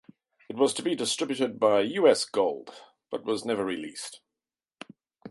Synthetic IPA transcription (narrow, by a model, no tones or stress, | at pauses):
ɨt̚wʌz̥tʰəbidɨstɹ̥ɪbjɨɾɨd̚baɪjʉɛsɡ̥oʊlˠd̥ | b̥ʌt̚wʌznɛvəɹɪlḭˑst